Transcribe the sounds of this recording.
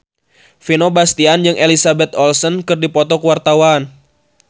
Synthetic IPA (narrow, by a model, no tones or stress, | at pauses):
finobast̪iand͡ʒɨŋʔelisabɛt̪ɔlsɔnkɨrdipɔt̪ɔkwart̪awan